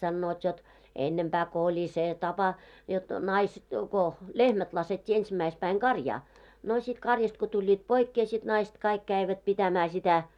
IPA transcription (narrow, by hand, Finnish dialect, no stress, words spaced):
sɑnːoːt jot enːempæː ko olʲi seˑ tɑpɑ jot nɑis ko lehmæt lɑsetʲːiː ensimæispæiŋ ɡ̊ɑrjɑː no sit kɑrjɑst ko tulʲːiːt poikːeː sit nɑist kɑik kæiʋæt pitæmæː sitæ